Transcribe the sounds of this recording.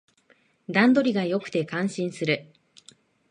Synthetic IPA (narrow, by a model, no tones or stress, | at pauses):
d̪ãnd̪o̞ɾʲiɡajo̞kɯ̟̥t̪e̞kãɰ̃ɕĩɰ̃sɨɾɯ̟